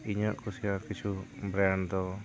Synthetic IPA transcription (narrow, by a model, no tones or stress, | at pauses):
iɲɔʔkusiakit͡ʃubɾant̪ɔ